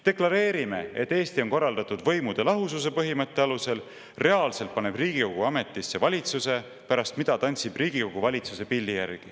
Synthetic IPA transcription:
t̪e̞klɑɾe̞ːɾime̞̰e̞t̪ːe̞ːst̪io̞nko̞rːɑld̪ɑt̪ːˑud̪̥vɤ̞jmud̪̥e̞lɑɦusus̬e̞pɤɦimɤt̪ːˑe̞ɑluse̞l | re̞ɑlse̞lt̪̚pɑne̞b̥riːɡ̥iko̞ɡ̥uɑme̞t̪ːˑisːe̞vɑlʲit̪suse̞ | pæɾɑst̪mid̪̥ɑt̪ɑnʲt̪sibriːɡ̥iko̞ɡ̥uvɑlʲit̪suse̞pilʲːijærɡ̥i

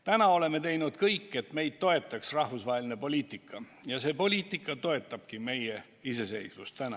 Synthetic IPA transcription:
t̪ænɑo̞le̞me̞t̪e̞jnud̪̥kɤjkːe̞t̪me̞jd̪̥̚t̪o̞e̞t̪ːˑɑksrɑhfusvɑɦelinepo̞lʲiːt̪ˑikʰːˑɑ | jɑse̞ːpo̞lʲiːt̪ˑikːˑɑt̪o̞e̞t̪ːˑɑb̥̚kime̞je | ise̞se̞jsvust̪ænɑ

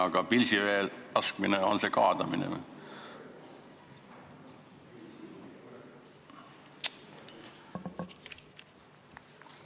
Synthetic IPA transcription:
ɑɡ̥ɑpilsiveːlɑskmineo̞nse̞ːkɑːd̪̥ɑminḛ

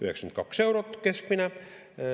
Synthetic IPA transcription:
yhekskymnt̪kɑksewɾot̪keskminæ

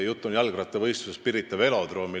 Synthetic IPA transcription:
jut̪ːˑonjɑlɡ̥rɑt̪ːˑevɤ̞jst̪usespiɾit̪ːˑɑve̞lo̞d̪̥roːmi

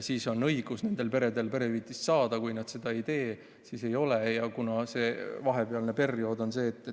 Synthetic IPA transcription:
siːso̞nɤjɡ̥usne̞nd̪e̞lpe̞ɾe̞d̪e̞lpe̞ɾe̞viːt̪issɑːd̪ɑkujnɑd̪̥se̞d̪̥ɑe̞jt̪e̞ː | siːse̞jo̞lejɑkunɑse̞ːvɑɦe̞peɑlne̞pe̞rio̞d̪o̞nse̞ːt̪ːˑe

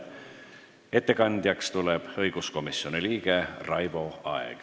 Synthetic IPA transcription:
e̞t̪ˑːe̞kɑnd̪̥jɑkst̪uleb̥ɤjɡ̥usko̞misjo̞niliːɡ̥e̞rɑjb̥o̞ɑḛɡ̥

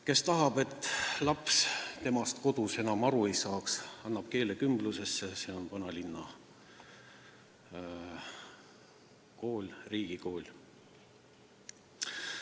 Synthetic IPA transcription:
ke̞st̪ɑɦɑb̥e̞t̪ːˑlɑpst̪e̞mɑst̪ko̞d̪̥use̞nɑmɑɾue̞jsɑːksɑnːɑb̥ke̞ːle̞kymbluse̞sːese̞o̞npɑnɑlinːɑ | ko̞ːlʲriːɡ̥iko̞ːlʲ

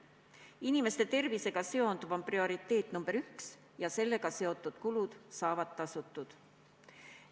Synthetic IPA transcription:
inime̞st̪e̞t̪e̞rvise̞ɡ̥ɑse̞o̞nd̪ubomprio̞ɾit̪ːe̞ːt̪ːˑnumb̥e̞ɾyks | jɑse̞lːe̞ɡ̥ɑse̞o̞t̪ˑːud̪̥kulud̪̥sɑːvɑt̪t̪ːɑsut̪ːˑud̪̥

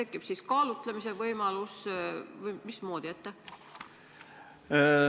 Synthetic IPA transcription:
e̞kːˑipsiskɑːlut̪lemise̞vɤjmɑlusvɤjmismo̞ːd̪̥iet̪ːe

